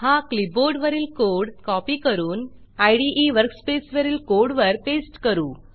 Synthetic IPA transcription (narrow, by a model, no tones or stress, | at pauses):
hãkliboɾɖʋəɾiːlkoɾɽkɔpiːkəɾuːn | ajɽiʔiʋəɾkspesʋəɾiːlkoɾɽʋəɾʈesʈkəɾuː